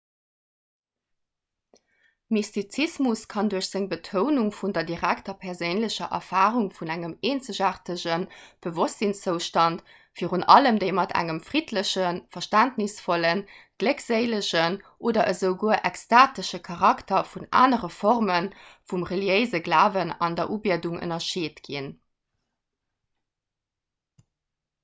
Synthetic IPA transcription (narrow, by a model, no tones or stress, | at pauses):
mistit͡sismuskʰɑnduɐɕz̥eŋbətʰoʊnuŋfundɐdiʁæktɐpʰɛʁzəɪnləɕɐʔɐ̰faːʁuŋfunæŋəmeːnt͡səʑaʁtəʑənb̥əvɔstzint͡səʊʃtɑnt | fiːʁunɑləmdəɪmɑtʰæ̰ŋəmfʁitʰləɕənfɐʃtæntnisfolənɡ̥ləkz̥eɪləɕənʔoːdɐʔəzəʊɡuəʔækstaːtəʃəkʰɑʁɑktɐfuna̰ːnəʁəfɔʁmənfumʁəljəɪzəɡlaːvənɑ̰ndɐʔuːbiɐduŋə̰nɐʃeːtɡ̥in